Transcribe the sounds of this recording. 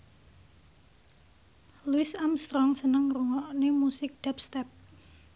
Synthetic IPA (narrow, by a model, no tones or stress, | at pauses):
luɪsamst̪ɾɔŋsənəŋruŋɔʔnemusɪk̚d̥ɛpst̪ɛp̚